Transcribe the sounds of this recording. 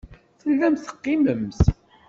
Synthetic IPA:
θəlːæmθə̥qːɪməmθ

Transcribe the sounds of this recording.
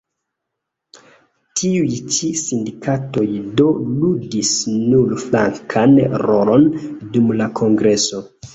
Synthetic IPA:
tʰiujt͡ʃisindikʰato̞jdo̞ludisnuɾfla̰ŋkʰanɾo̞lo̞ndumlakʰo̞ŋɡɾe̞so̞

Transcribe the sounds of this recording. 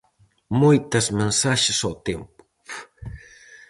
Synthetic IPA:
mʊjt̪asmensaʃasowt̪empʊ̥

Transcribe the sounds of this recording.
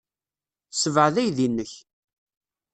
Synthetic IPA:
səvʕəðæjðinːəç

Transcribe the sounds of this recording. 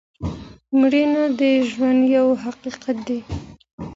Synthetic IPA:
mɽinad̪əʒwand̪jawɦaqiqat̪̚d̪i

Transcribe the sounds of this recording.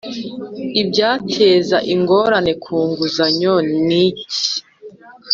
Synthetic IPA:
ibɟaːtʰeːzaʔiŋɡo̞ɾane̞kʰuːŋɡuzaɲonici̥

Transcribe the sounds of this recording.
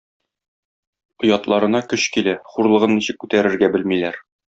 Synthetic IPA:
ŏjɑt̪lˠɑɾɤ̆nɑkɵɕkilæχuɾlˠɤ̆ʁɤnːiɕɘ̆kːʉt̪æɾɘ̆ɾɡæbɘlmilæɾ

